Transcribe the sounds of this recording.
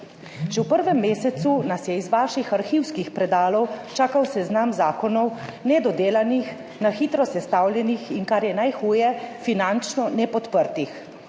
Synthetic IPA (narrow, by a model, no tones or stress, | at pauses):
ʒɛwpəɾʋɛmːeːsɛt̪sunasjɛizʋaːʃixaɾxiːwskixpɾɛd̪aːlɔwt͡ʃaːkawsɛznamzaːkɔnɔwnɛd̪ɔd̪eːlanix | naxit̪ɾɔsɛst̪awlʲjɛnixiŋkaɾjɛnajxuːjɛfinant͡ʃnɔnɛpɔt̪pəɾt̪ix